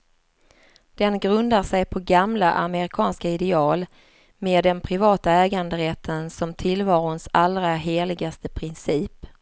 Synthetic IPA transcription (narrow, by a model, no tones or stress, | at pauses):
d̪̥ɛnɡɾɵnd̪aʂɛjpʰɔɡamlaʔamɛɾɪkʰɑːnskaɪd̪ɛɑːl | meːd̪ɛnpʰɾɪvɑːt̪aɛːɡand̪əɾɛt̪ʰːənsɔmt̪ʰɪlvɑːɾʊnsalɾaɦeːɭɪɡast̪əpʰɾɪnsiːp